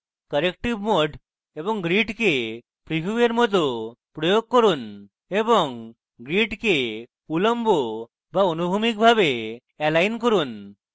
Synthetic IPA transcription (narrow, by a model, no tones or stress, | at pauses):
kəɾekʈibmoɖ | ebɔŋɡɾiʈke | pɾibʱueɾmɔd̪ʱopɾɔjoɡ̚kɔɾun | ebɔŋ | ɡɾiʈke | uləmbo | baɔnubʱumik̚bʱabe | ɛlajnkɔɾun